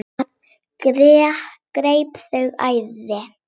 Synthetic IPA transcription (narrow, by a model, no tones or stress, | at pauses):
kɾɛːhkɾeːjpθœɣa̰jðɪ